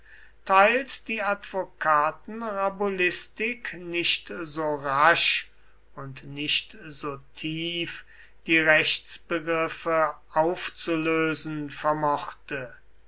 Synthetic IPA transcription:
tʰaɪlsd̥iːatv̥okʰaːtn̩ʁabolɪstɪknɪʃtzoːʁaʃ | ʊntnɪʃtz̥oːtʰiːf | d̥iːʁɛʃsb̥əɡʁɪfə | aʊft͡suløːzn̩fɛɐmɔχtə

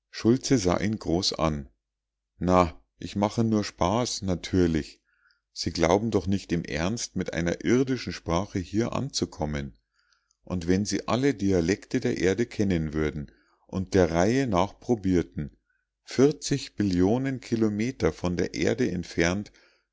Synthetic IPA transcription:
ʃʊlt͡səza̰ːʔiːnɡʁoːsʔa̰n | na | ʔɪçmaχənuːɐʃpaːsnatʰyːɐlɪç | z̥iːɡla̰ʊbm̩dɔχnɪçtɪmʔɛ̰ɐnstmɪtʔa̰ɪnɐ̰ʔɪɐdɪʃn̩ʃpʁ̥aːχəhiːɐʔa̰nt͡sukʰɔmən | ʔʊntv̥ɛnziːʔa̰lədialɛktədeːɐʔeːɐdəkʰɛnənvʏɐdn̩ | ʔʊnt̚d̥eːɐʁaɪənaːχpʁ̥obiːɐtn̩ | fɪɐt͡sɪçb̥ɪljoːnənkʰilomeːtɐfɔndeːɐʔḛːɐdəɛntfɛɐnt

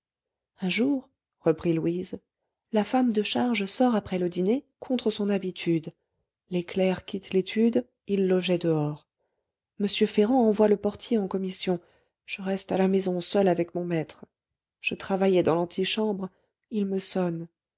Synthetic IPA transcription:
ɛ̃ʒuʁ | ʁəpχilwiz | lafamd̪əʃaʁʒsɔʁapχɛləd̪inekʰɔ̃t̪χəsɔ̃nabit̪ʰyd̪ | leklɛʁkʲit̪let̪ʰyd̪ | ilːɔʒɛd̪əɔʁ | məsjøfeʁɑ̃ɑ̃vwaləpɔʁt̪ʰjeɑ̃kɔmisjɔ̃ | ʒ̥əʁɛst̪alamɛzɔ̃sœlavɛkmɔ̃mɛt̪χ | ʒ̥ət̪χavajɛd̪ɑ̃lɑ̃t̪ʰiʃɑ̃bʁ | ilməsɔn

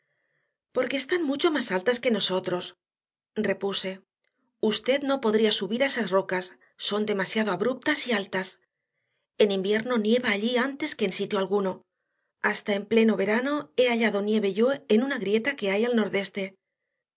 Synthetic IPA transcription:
po̞ɾke̞ːst̪anmut͡ʃo̞masalt̪aske̞no̞so̞t̪ɾo̞s | re̞puse̞ | ust̪e̞ðno̞po̞ðɾiasuβiɾaesazro̞kasː | o̞nd̪e̞masjað̞o̞aβɾup̚t̪asialt̪as | e̞nimbje̞ɾno̞nje̞βaːʎiant̪e̞ske̞ːnsit̪joalɣuno̞ | ast̪aemple̞no̞βe̞ɾano̞e̞aʎaðo̞nje̞β̞e̞ʝo̞enunaɣɾje̞t̪ake̞ajalno̞ɾðe̞st̪e̞

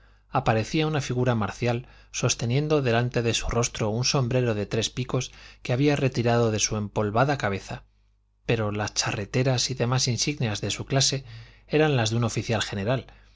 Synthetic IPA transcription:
apaɾe̞θiaunafiɣ̞uɾamaɾθjal | so̞st̪e̞njẽ̞nd̪o̞ðe̞lant̪e̞ðe̞suro̞st̪ɾo̞unso̞mbɾe̞ɾo̞ðe̞t̪ɾe̞spiko̞skeaβ̞iare̞t̪iɾaðo̞ðe̞sue̞mpo̞lβaðakaβ̞e̞θa | pe̞ɾo̞last͡ʃare̞t̪e̞ɾasiðe̞masinsiɣneazðe̞suklase̞ | eɾanlazðuno̞fiθjalxe̞ne̞ɾal

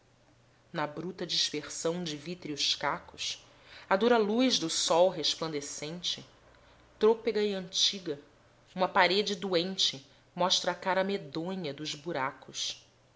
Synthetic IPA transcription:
nɐbɾut̪ɐd͡ʒiʃpeχsɐ̃w̃d͡ʒɪvit̪ɾiʊʃkakʊs | ad̪uɾɐlujʒd̪ʊsɔwɦeʃplɐ̃nd̪esẽnt͡ʃɪ | t̪ɾopeɡɐɪɐ̃nt͡ʃiɡɐ | ũmɐpaɾed͡ʒɪd̪uẽnt͡ʃɪ | mɔʃt̪ɾɐːkaɾɐmed̪õɲɐd̪ʊzbuɾakʊs

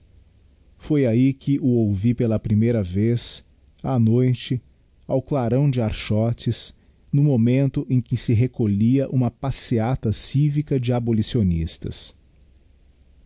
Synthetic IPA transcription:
fojaikʰɪʔʊowvipelɐpɾimejɾɐves | anojt͡ʃɪ | awklaɾɐ̃w̃d͡ʒɪaɾʃɔt͡ʃɪs | nʊmomẽnt̪ʊʔẽj̃kɪsɪɦekoʎiɐʔũmɐpasiat̪ɐsivikɐd͡ʒɪabolisionist̪ɐ̰s

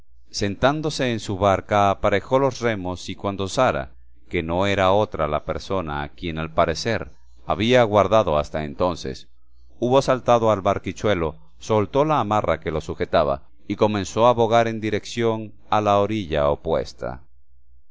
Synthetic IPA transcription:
se̞nt̪and̪o̞se̞ːnsuβaɾkaːpaɾe̞xo̞lo̞sre̞mo̞sikwand̪o̞saɾa̰ | ke̞no̞e̞ɾao̞t̪ɾalape̞ɾso̞na̰ːkje̞nalpaɾe̞se̞ɾ | aβiaɣwaɾðaðo̞ast̪aent̪o̞nse̞̰s | uβo̞salt̪aðo̞alβaɾkit͡ʃwe̞lo̞ | so̞lt̪o̞laːmarake̞lo̞suxe̞t̪aβa̰ | iko̞mẽ̞nso̞aβo̞ɣaɾe̞nd̪iɾe̞ksjon | alaoɾiʝa̰opwe̞̰st̪a̰

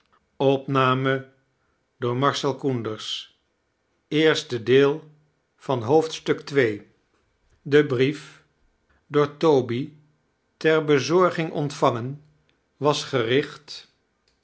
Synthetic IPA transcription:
ɔpnaːmə | dʊːɹmɑɹsɛlˠkundəɹs | ɪːɹstədɪːlˠ | v̥ɑnɦowftstɵktʋej | dəbrif | doːɹtobi | tɛɹbəzɔɹχɪŋʔɔ̰ntfɑŋən | ʋɑsχərɪχt

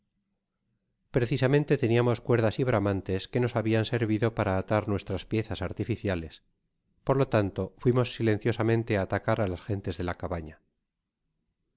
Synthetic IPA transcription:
pɾe̞θisamẽnt̪e̞t̪e̞niamo̞skwe̞ɾðasiβɾamãnt̪e̞ske̞no̞saβianse̞ɾβiðo̞paɾaːt̪aɾnwe̞st̪ɾaspje̞θasaɾt̪ifiθjale̞s | po̞ɾlo̞t̪ant̪o̞fwimo̞sːilẽ̞nθjo̞samẽ̞nt̪e̞aːt̪akaɾalasxe̞nt̪e̞zðelakaβaɲa

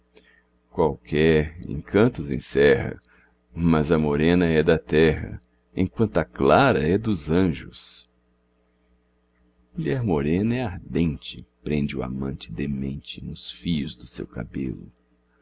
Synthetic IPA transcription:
kwawkʰɛɾḛ̃kʰɐ̃nt̪ʊzḛ̃sɛhɐ̰ | mɐzɐmoɾẽnɐɛd̪ɐt̪ɛɦɐ̰ | ḛ̃j̃kwɐ̃nt̪ʊɐklaɾɐɛd̪ʊzɐ̃ʒʊs | muʎɛɾmoɾẽnɐɛaɾd̪ẽnt͡ʃɪ̥pɾẽnd͡ʒɪʊa̰mɐ̃nt͡ʃɪ̥d̪emẽnt͡ʃɪnʊsfiʎʊzd̪ʊsḛwka̰bḛlʊ

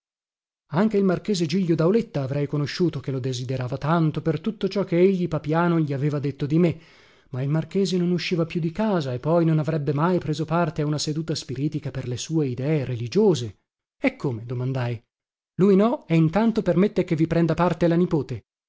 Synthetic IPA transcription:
aŋk̟eilmark̟eːzed͡ʒiʎːod̪awlet̪ːaːvɾɛjkonoʃːuːt̪ok̟elod̪ezid̪eɾaːvat̪ant̪opert̪ut̪ːot͡ʃɔkːeeʎːipapjaːnoʎiaveːvad̪et̪ːod̪ime | mailmark̟eːzenonuʃːiːvapjud̪ikaːzaepːɔjnonavɾɛbːemajpɾeːzopart̪eaunased̪uːt̪aspiɾiːt̪ikaperlesuːeid̪ɛːeɾelid͡ʒoːze | ɛkʰːoːmed̪omand̪aj | lujnɔɛint̪ant̪opermet̪ːek̟evːipɾɛnd̪apart̪elanipoːt̪e

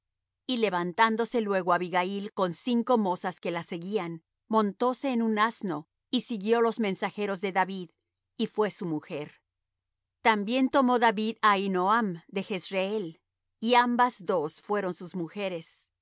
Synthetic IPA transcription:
ile̞βant̪and̪o̞se̞lwe̞ɣoaβiɣailko̞nsiŋko̞mo̞saske̞lase̞ɣian | mõ̞nt̪o̞se̞ːnunazno̞ | isiɣjo̞lo̞zmẽ̞nsaxe̞ɾo̞zðe̞ðaβið | ifwe̞sumuxe̞ɾ | t̪ambje̞nt̪o̞mo̞ðaβiðainoamd̪e̞xe̞sreel | iambazðo̞sfwe̞ɾo̞nsuzmuxe̞ɾe̞s

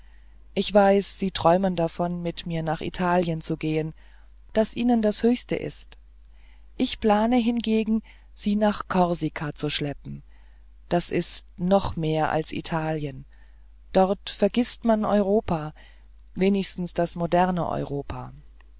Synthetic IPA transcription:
ʔɪçv̥aɪsz̥iːtʁ̥ɔʏməndafɔnmɪtmiːɐnaːχḭtʰaːljənt͡suɡeːən | d̥asʔiːnəndashøːçstə̰ʔɪ̰st | ʔɪçpl̥aːnəɦɪnɡeːɡŋ̩ | z̥iːnaːχkʰɔɐzikʰat͡suʃlɛp̚m̩ | d̥asʔɪstnɔχmeːɐʔa̰lsʔḭtʰaːljən | d̥ɔɐtfɛɐɡɪstmanʔɔ̰ʏʁ̞oːpʰaː | veːnɪçstn̩sd̥asmodɛʁnə̰ʔɔ̰ʏʁoːpʰaː

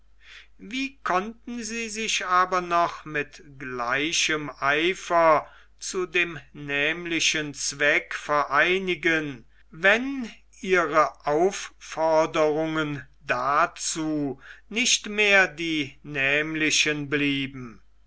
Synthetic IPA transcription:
viːkʰɔntn̩ziːzɪʃʔaːbɐnɔχmɪtɡlaɪʃəmʔaɪfɐ | t͡sudeːmnɛːmlɪʃənt͡sv̥ɛkfɛɐʔaɪnɪɡən | vɛn | ʔiːʁəʔaʊffɔɐdəʁʊŋən | dat͡suːnɪʃtmeːɐdiːnɛːmlɪʃənbliːbm̩

